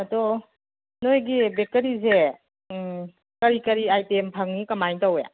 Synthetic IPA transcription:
adɔ | nojɡibek̚təɾize | kɐɾikɐɾiajtempʰaŋnikɐmajntawḛ

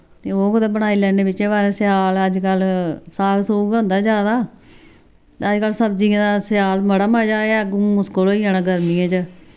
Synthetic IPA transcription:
t̪eːoːkʊd̪ẽːbəɽ̃aːiːlɛːneːbɪt͡ʃẽːbaːɾẽːsɪjaːləd͡ʒkəlsaːɡsoːɡõːnd̪aːd͡ʒjaːd̪aː | t̪eəd͡ʒkəlsəbd͡ʒĩːd̪asɪjaːlməɽaːmaːd͡ʒaːɛːɡʊ̃mʊskoloːijãːnãːɡəɾmiãːt͡ʃə

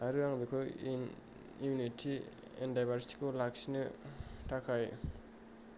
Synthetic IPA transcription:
aɾɯaŋbikʰɔjn | imunitʰi | ɛ̰ndajbʱaɾsi̥ti̥kolak̚sinɯtʰakʰaj

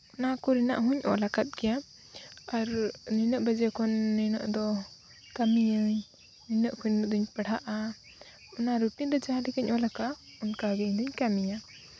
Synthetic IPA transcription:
ɔnakɔɾina̰ʔɦuɲʔɔ̰lakat̪̚ɡɛja | aɾnɛnəʔbəd͡ʒɛkʰɔnːɛnəʔd̪ɔ | kamijəɲ | nɛnəʔkʰuɾnʔd̪ɔɲpəɽaʔa | ɔnaɾuʈid̪ɔd͡ʒaɦãɖɛkəɲʔɔlaka | ɔnkaɡɛɲd̪ɔɲkamija

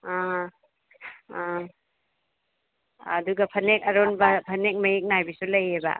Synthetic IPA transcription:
a | ɐ̰duɡɐpʰɐnek̚ɐɾonbɐpʰɐnek̚mɐjek̚naajbisulɐjebɐ̰

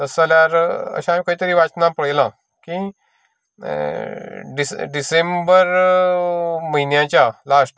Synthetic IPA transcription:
t̪əsaljaɾə̰ɕãamĩkaɦit̪əɾiːʋat͡snapəɭjlã | ki | ɖisɖisembəɾ | məɦinjãt͡ɕjalasʈ

